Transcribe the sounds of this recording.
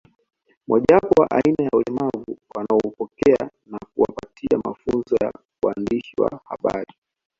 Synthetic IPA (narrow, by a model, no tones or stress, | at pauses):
mʔaʄapɔwaʔainajaulɛmavuwanaɔupɔkɛa | nak̚uwapatʰiamafunzɔja | uandiʃiwa̰haɓaɾi